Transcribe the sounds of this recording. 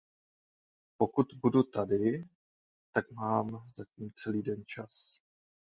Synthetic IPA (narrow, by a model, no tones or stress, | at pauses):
po̞kut̪budut̪adɪ | t̪akmaːmzaciːmt͡sɛliːdɛnt͡ʃas